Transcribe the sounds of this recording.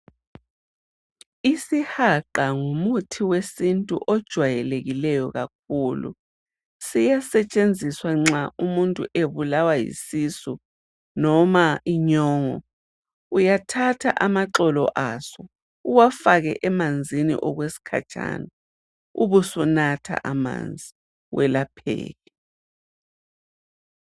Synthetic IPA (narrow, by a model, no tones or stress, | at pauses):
isihaǃaŋumutʰiwesintʼṵʔɔd̥ʒ̥ʱwajɛleɣilɛjɔɣak̚ʰuːlṵ | sijasɛt͡ʃʼend͡zʱiswaŋ͡ǁaumuntʼṵʔeβulawajḭsisu | nɔmaiɲɔːŋɔ | ujatʰatʰa̰ʔamaǁɔlɔ̰ʔasɔ | uwafaɣɛ̰ʔɛmand͡zʱinḭʔɔɣwesi̥kʰa̰t͡ʃʼa̰na | uβusɔnatʰa̰ʔama̰nd͡zʱi | wʔɛlapʰɛ̰ːɣɛ